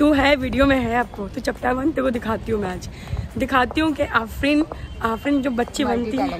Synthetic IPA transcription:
t̪uɦɛʋiːɖijomẽɦɛaːp̚kot̪ut͡ʃɐpʈaʋɐnt̪ekod̪ɪkʰaːt̪iɦũmɛ̃aːd͡ʒ | d̪ɪkʰaːt̪iɦũkeʔaːfɾiːnaːfɾiːnd͡ʒoːbɐtːʃibɐnt̪iɛ̃

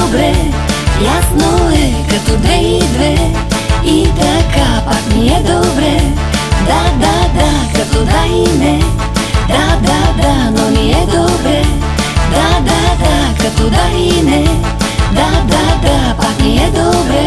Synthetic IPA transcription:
bɾɛ | jasnoɛkɐt̪ud̪ɛid̪vɛ | it̪ɐkapat̪niɛd̪obɾɛ | d̪ad̪ad̪akɐt̪od̪ainɛ | d̪ad̪ad̪anoniɛd̪obɾɛ | d̪ad̪ad̪akɐt̪od̪ainɛ | d̪ad̪ad̪apat̪niɛd̪obɾɛ

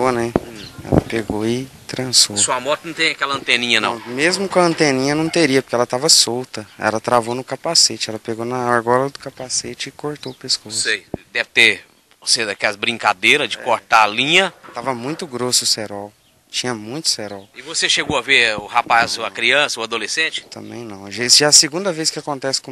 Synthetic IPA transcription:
onɛɛ̰lɐ̰peɡoɪt̪ɾɐ̃sosuɐmɔt̪ɐnɐ̃w̃t̪ẽakɛlɐɐ̃nt̪ẽnĩɲɐnɐ̰̃w̃mezmʊkõɐ̃nt̪ẽnĩɲɐnɐ̃w̃t̪eɾiɐpoɾkeɛlɐt̪avɐsowt̪ɐɛ̰lɐt̪ɾavonʊkapaset͡ʃɪɛlɐpeɡonɐaɾɡɔlɐd̪ʊkapaset͡ʃɪɪkoɾt̪opeskosejd̪ɛvɪt̪e | oseʒakɛlɐzbɾĩŋka̰d̪eɾɐzd͡ʒɪkoɾt̪aalĩɲɐt̪avɐmũj̃t̪ʊɡɾosʊsɛɾɔw | t͡ʃĩɲɐmũj̃t̪ʊ̥sɛɾɔwɪvoseʃeɡowɐveɾʊhapazɐkɾiɐ̃sɐʊad̪olesẽt͡ʃɪ̥t̪ɐ̰̃mbḛ̃j̃nɐ̃w̃ʒesʒaɐsɪɡũnd̪ɐveskɪakõnt̪ɛsɪ̥kõ

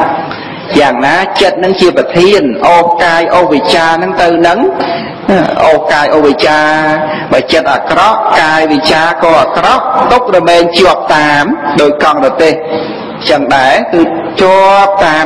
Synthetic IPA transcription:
jaːŋnaːt͡ɕət̪̚nɨŋt͡ɕiəprɑt̪ʰiənʔoːhkaːjʔoːhʋit͡ɕaːnɨŋt̪ɨwnɨŋ | ʔoːhkaːjʔoːhʋit͡ɕaː | ɓaːt͡ɕət̪̚ʔakrɑʔkaːjʋit͡ɕaːkɔːʔakrɑʔt̪uk̚ɗɑmɛːɲt͡ɕŏəp̚t̪aːmɗoːc̚kɑŋrɑt̪eːh | t͡ɕəŋɗaɛkɨː | t͡ɕŏəp̚t̪aː

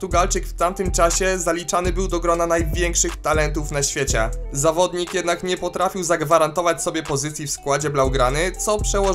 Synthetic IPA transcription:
t̪uɡalt͡ʂɘkft̪amt̪ɘmt͡ʂaɕɛzalʲit͡ʂanɘbɘwd̪ɔɡɾɔnanajvʲjɛŋkʂɘxt̪alɛnt̪ufnaɕfʲjet͡ɕɛ̰zavɔd̪ɲikjɛd̪nakɲɛpɔt̪ɾafʲiwzaɡvaɾant̪ɔvat͡ɕsɔbʲjɛpɔzɘt̪sʲjifskwad͡ʑɛblawɡɾanɘt̪sɔpʂɛwɔ

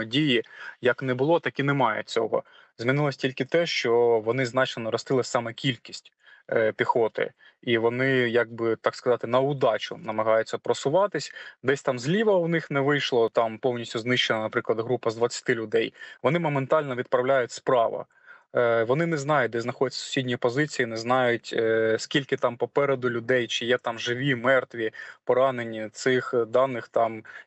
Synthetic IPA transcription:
dʲijijɐknɛbʊlˠɔt̪ɐkinɛmɑjɛ̰t͡sʲɔ̰ɦɔ̰ | zʲmʲinɪlˠɔsʲtʲilʲkɪt̪ɛʃt͡ʃɔʋɔnɪznɑt͡ʃnɛnɔɾɔst̪ɪlˠɐsʲsɑmɛkʲilʲkʲisʲtʲ | pʲixɔt̪ɪ̰ | iʋɔnɪjɐɡ̚bɪt̪ɑkskɐzɑt̪ɪnɐʊd̪ɑt͡ʃʊ̰nɐmɐɦɑjʊt͡sʲːɐpɾɔsʊʋɑt̪ɪsʲd̪ɛsʲt̪ɑmzʲlʲiʋɐʊnɪxnɛʋɪjʃlˠɔt̪ɑmpɔwnʲisʲtʲʊznɪʃt͡ʃːenɐnɐpɾɪklˠɐd̪ɦɾupɐzd̪ʋɐt͡sʲːɐ̥t̪ɪlʲʊd̪ɛjʋɔnɪmɔment̪ɑlʲnɔʋʲid̪̚pɾɐwlʲajʊtʲspɾɑ̰ʋɐ̰ | ʋɔnɪnɛznɑjʊt̚ʲd̪ɛznɐxɔdʲɛtʲt͡sʲːɐ̥sʊ̥sʲidʲnʲijipɔzɪt͡sʲijinɛznɑjʊtʲːsʲkʲilʲkɪt̪ɑmpɔpɛɾed̪ʊlʲʊd̪ɛjt͡ʃɪjɛt̪ɑmʒɪʋʲimɛrt̪ʋʲipɔɾɑnenʲːit̪sɪxd̪ɑnːɪxt̪ɑm

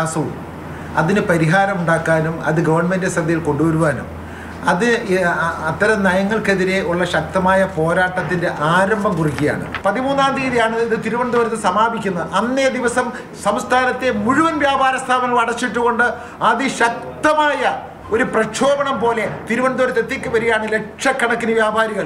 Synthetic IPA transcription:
aːsɐʋṵm | ɐ̰ðinɨpɐɾiɦaːɾɐmuɳɖaːkːaːnumɐ̰ðɨɡɐʋɐrɳme̞ndɨsrɐd̪ɐjilko̞ɳɖuʋɐɾuʋaːnum | ɐðɨ | ɐt̪ːɐɾɐmnɐjɐŋːɐɭke̞ðiɾe̞uɭːɐɕɐk̚t̪ɐmaːjɐpo̞ːɾaːʈːɐt̪ːinde̞ʔaːɾɐmbʱɐmkurikːija̰ːɳɨ̰pɐðimuːnːaːnɾiːðijaːɳɨiðɨt̪iɾuʋɐnd̪oɾɐt̪ːɨsɐmaːbikʲːunːɐðɨʔɐnːed̪iʋɐsɐm | sɐmst̪ʰaːnɐt̪ːe̞muɻuʋɐnʋjaːbʱaːɾɐst̪ʰaːmɐʋɐɽɐt͡ɕːiʈːuɣo̞ɳɖɨ | ɐðɨɕɐk̚t̪ɐmaːjɐ | oɾuprɐt͡ɕʰo̞ːbɐɳɐmpo̞ːle̞t̪iɾuʋɐɳd̪oːɾɐt̪ːet̪ːikʲːɨʋɐɾijaːɳɨle̞kʂɐkːɐɳɐkːinɨʋjaːbʱaːɾiɣɐɭ

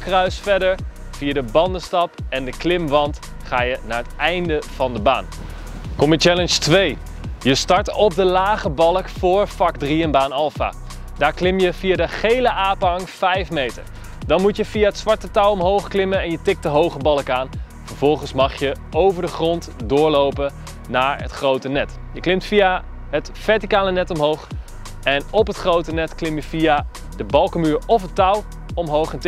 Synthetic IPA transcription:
krœɥsfɛdəɹ | vijadəbɑndəstɑpɛndəklɪmʋɑnt | χaːjənaːɹətɛjndəv̥ɑndəba̰ːn | kɔmət͡ʃɛlənstʋej | jəstɑɹtɔp̚dəlaːχəbɑlˠəkfʊːɹfɑkdriənbaːnɑlˠfa̰ː | daːɹklɪmjəvijaːdəχejləʔaːpəɦɑŋfɛjfmejtə̰ɹ | dɑnmutjəvijaətsʋɑɹtətʌwɔmɦowχklɪmənɛnjətɪk̚tdəɦowχəbɑlˠəkaːn | fəɹv̥ɔlˠχənsmɑχjə | owvəɹdəχrɔntdʊːɹlowpə | naːɹə̰tχrowtənɛt | jəklɪmtfija | ɦət | fɛɹtikaːnənɛtɔmɦowχ | ɛnɔpɦətχrowtənɛtklɪmjəfia | dəbɑlˠkəmyːɹɔfətʌw | ɔmɦowχɛnt

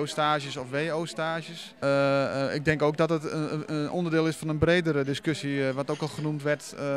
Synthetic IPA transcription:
ostaːʒjəsɔfʋeːoːstaːʒjəs | ɪ̰ɡ̚dɛŋkoːk̚dɔtətʔo̰ndərdɪːlˠɪsfɔnənbreːdəɾədɪskøsiʋɔtoːkɔlˠχənumtʋɛrt

